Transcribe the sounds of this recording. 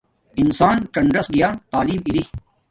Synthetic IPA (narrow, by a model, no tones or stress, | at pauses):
ɪnsaːnkɐɳɖɾɐsɡɐjaːt̪aːliːmiɾi